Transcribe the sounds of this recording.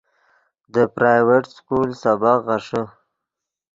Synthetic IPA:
d̪əpɾajweʈskulsabaqɣaʂə

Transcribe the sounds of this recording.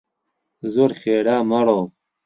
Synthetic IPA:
zuɾχeːɽaːmɐɽoː

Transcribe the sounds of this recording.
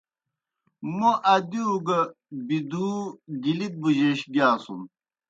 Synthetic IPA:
moʔɐd̪iuɡɐ | bid̪uɡilit̪̚buʑeɕɡjaːsun

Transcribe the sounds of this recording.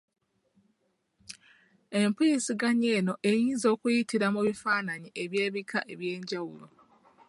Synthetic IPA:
e̞mpisiɡaɲe̞ːno̞ʔe̞jiːnzo̞ːkujitiɾamuβifaːnaɲiʔeβje̞ːβikʰaʔe̞βje̞ːɲɟawṵlo

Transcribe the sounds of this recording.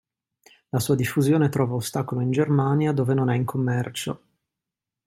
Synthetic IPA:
lasuːad̪ifːuzjoːnet̪ɾɔːvaost̪aːkoloind͡ʒermaːnjad̪oːvenonɛiŋkʰomːɛrt͡ʃo̰

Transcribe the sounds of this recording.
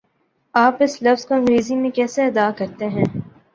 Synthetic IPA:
aːpɪslɐfz̥koɐ̃ŋɡɾeːzĩmẽkɛːseɐd̪aːkɐɾt̪eɦɛ̃ː

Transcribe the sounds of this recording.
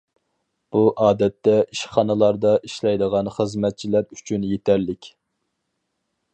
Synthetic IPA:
b̥uʔɑːd̪ɛt̪ːɛiʃχɑnɨlˠɑɾd̪ɑʔiʃlɛjd̪əʁɑnχəzmɛt̪̚t͡ʃʰilæɾyt͡ʃʰynjet̪ʰɛɾlɪkʲ

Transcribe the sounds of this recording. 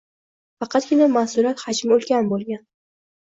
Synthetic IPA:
fɑqʰɑt̪̚ɡʲɪnamasʊɾat̪had͡ʒmɵlˠkʲanbolˠɡʲan

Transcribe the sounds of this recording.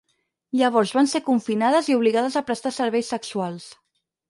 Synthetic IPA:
ʎəβ̞ɔɾzβansekuɱfinaðəziuβ̞liɣaðəzəpɾəst̪asəɾβɛjsəksualˠs

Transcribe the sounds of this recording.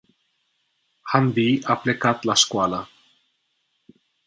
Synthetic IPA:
hanðiaplekat̪laskwala

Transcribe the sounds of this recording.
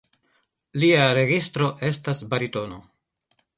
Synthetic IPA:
liaɾe̞ɡistɾo̞ʔe̞stasbaɾito̞no̞̰

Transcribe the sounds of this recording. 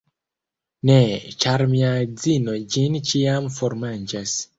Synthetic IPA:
net͡ʃaɾmiad͡zinod͡ʒint͡ʃiamfoɾmand͡ʒas

